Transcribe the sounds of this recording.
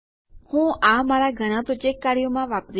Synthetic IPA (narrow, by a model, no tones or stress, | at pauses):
hũʔamaɾaɡʱəɽ̃ãpɾɔd͡ʒek̚kaɾijomãʋapɾ